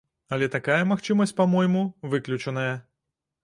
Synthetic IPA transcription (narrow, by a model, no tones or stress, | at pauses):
ɐlʲɛt̪akajɐmaxt͡ʂɨmɐsʲt͡sʲpamɔjmuvɨklʲut͡ʂɐnɐjɐ